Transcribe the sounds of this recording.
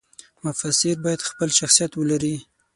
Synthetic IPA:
mʊfasɪɾbɑjad̪xpəlʃaxsijat̪wəlaɾi

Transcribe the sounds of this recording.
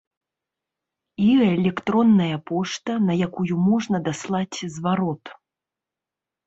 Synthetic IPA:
iɛlʲɛkt̪ɾɔnːɐjɐpɔʂt̪ɐnɐjakujumɔʐnɐd̪aslˠat͡sʲzvaɾɔt̪

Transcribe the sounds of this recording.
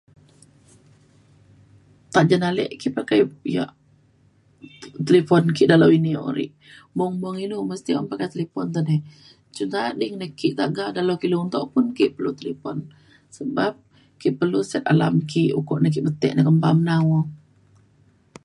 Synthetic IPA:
t̪aʔd͡ʒanalɛ̰ʔkiʔpakajja̰ʔ | t̪əlefɔnkiʔdalawinio̰ɾḭʔ | mɔŋmɔŋinuməst̪iɔmpakat̪əlepɔnt̪ɔnɛ | t͡ʃunt̪adiŋnəkiʔt̪aʔɡaʔdalowkiluŋnt̪ɔʔpʊnkiʔpəlut̪əlepɔn | səbap̚ | kiʔpərlusɛt̪̚ala̰mkiʔṵkɔʔnək̬iʔbət̪ɛʔnəkəmbamnawɔ

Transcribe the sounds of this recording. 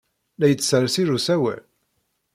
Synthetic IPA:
læjət͡sːsəɾsiɾusæwæ̰l

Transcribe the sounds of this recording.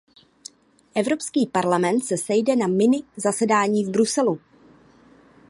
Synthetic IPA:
ʔɛvɾo̞pskiːpaɾlamɛnt̪sɛsɛjdɛnamɪnɪzasɛdaːɲiːvbɾusɛlu

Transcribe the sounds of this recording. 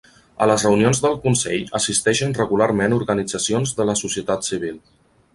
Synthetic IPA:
ələzrəunionzðəlˠkunsɛʎəsist̪ɛʃənrəɣulaɾmenuɾɣənid͡zəsionzðələsusiət̪at̪siβ̞ilˠ

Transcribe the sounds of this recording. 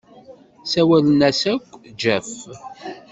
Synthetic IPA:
sæwælnæsækʷːd͡ʒæf

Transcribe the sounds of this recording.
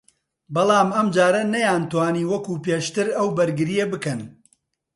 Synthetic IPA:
bɐlˠaːmɐmd͡ʒaːɾɐnɐjaːnt̪waːniːwɐkuːpeːʃt̪ɨɾɐwbɐɾɡɨɾijebɨkɐn

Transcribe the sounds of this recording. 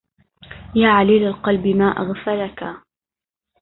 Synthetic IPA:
jaːʕaliːlalqɑlbɪmaːʔa̰ɣfalaka

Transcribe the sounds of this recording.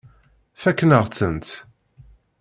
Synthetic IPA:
fækːnəʁt͡sːənt̪

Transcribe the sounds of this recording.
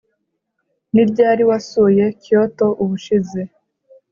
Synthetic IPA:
niɾɟaːɾiwasuje̞co̞to̞ʔuβuʃize

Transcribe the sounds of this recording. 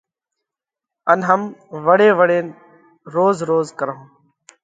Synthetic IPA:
ənɦəmʋəɽeːʋəɽeː | ɾoːzɾoːzkəɾõː

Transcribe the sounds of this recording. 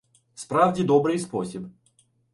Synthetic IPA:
spɾavdʲɪd̪ɔbɾɨjspɔsʲip

